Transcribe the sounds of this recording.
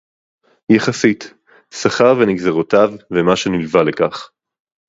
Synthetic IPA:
jeχasit | saχaʁveniɡzeʁotavːemaʃe̞nilvalekaχ

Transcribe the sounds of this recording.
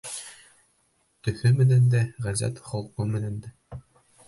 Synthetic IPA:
t̪ɵ̆θɵmɘ̆nænd̪æʁæzæ̰t̪χŏlˠqɤmɘ̆nænd̪æ

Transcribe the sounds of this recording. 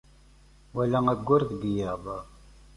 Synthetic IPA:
wælæŋæɡʷːʊɾðəɡjəðˤ

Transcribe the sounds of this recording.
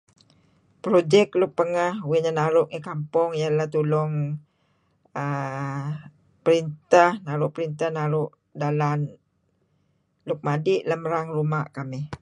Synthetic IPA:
pɾod͡ʒɛklʊk̚pəŋahwiɲənaɾʊʔŋəkampʊŋjalat̪ulʊŋ | ə | pəɾint̪ahnaɾʊʔpəɾint̪ahnaɾʊʔ | dalan | lʊk̚madiʔləməɾaŋrumaʔkamɪh

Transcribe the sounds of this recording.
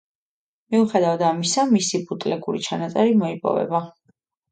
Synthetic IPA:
miuχɛd̪avad̪amisamisibut̪ʼlɛɡuɾḭt͡ʃʰanat̪sʼɛɾimɔipʼɔ̰vɛ̰ba

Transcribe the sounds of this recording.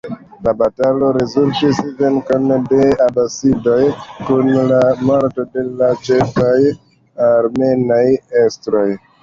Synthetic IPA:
labatalo̞ɾe̞zuɾtisve̞ŋkonde̞abasido̞jkunlamoɾto̞de̞lat͡ʃefaj | aɾme̞najestɾo̞j

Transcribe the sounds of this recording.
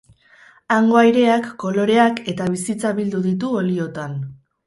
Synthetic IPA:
aŋɡo̞ajɾe̞akːo̞lo̞ɾe̞ake̞t̪aβ̞isit͡saβild̪uðit̪̬uo̞lio̞t̪an

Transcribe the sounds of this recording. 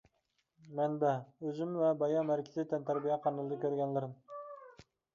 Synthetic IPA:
mɛnd̪ɛøzymvɛbɑjɑmæɾkʲʰɪzɪt̪ʰɛnt̪ʰæɾbijɛqʰɑnɨlˠɨd̪ɨkʲʰøɾɡʲɛnlɪɾɪm

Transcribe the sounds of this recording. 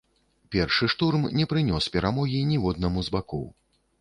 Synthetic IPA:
pʲɛrʂɨʂt̪urmnʲɛpɾɨnʲɔspʲɛɾamɔɣʲinʲiwɔd̪̚nɐmuzbakɔ̰w

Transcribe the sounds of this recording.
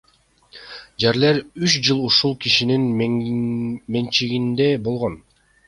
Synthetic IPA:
d͡ʒeɾleɾyt͡ʃd͡ʒɯlˠuʃulˠkiʃinin | ment͡ʃiɡind̪ebo̞lˠʁon

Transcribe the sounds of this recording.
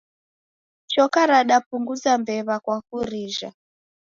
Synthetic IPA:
t͡ʃɔkaɾaɗapuŋɡud͡zambɛβakwakuɾiːʒa

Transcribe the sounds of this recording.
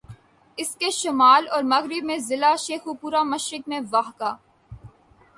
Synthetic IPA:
ɪskeʃʊmaːlɔːɾmɐɣɾɪb̚mẽzɪlaʃeːxupuːɾamɐʃɾɪkmẽʋaːɦkaː

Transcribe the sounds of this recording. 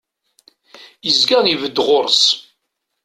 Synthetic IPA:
jəzɡanivəd̪ːʁoɾˤs

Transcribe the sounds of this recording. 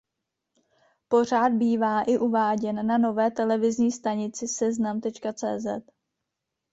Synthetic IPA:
po̞r̝aːd̪̚biːvaːʔɪʔuvaːɟɛnːano̞vɛːt̪ɛlɛvɪzɲiːst̪aɲɪt͡sɪsɛznamt̪ɛt͡ʃkat͡sɛ̰ːzɛt̪

